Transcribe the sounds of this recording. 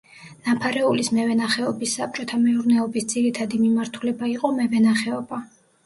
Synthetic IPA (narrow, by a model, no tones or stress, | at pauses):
napʰaɾɛulismɛvɛnaχɛɔbisːap̚t͡ʃʼɔt̪ʰamɛuɾnɛɔbisd̪z̥iɾit̪ʰad̪imimaɾt̪ʰulɛbaiqʼɔmɛvɛnaχɛɔba